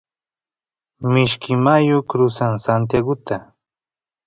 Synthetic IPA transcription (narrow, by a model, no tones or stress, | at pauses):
mɪʃkɪmajokɾʊsaŋsant̪̬jaɡʊt̪a